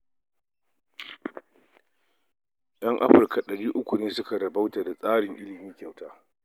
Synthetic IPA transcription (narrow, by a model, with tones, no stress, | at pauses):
j̰ɐ˦ŋʔa̰˦ɸɪ˨rka˨ɗɐ˨ɽiː˦ʔʊ˦kʷʊ˨neː˦sʊ˦ka˨ɾɐ˨ba˦wta˨da˨sʼaː˦ɽɪ˨ŋʔɪ˦lɪ˨miː˦kʲa˨wtaː˦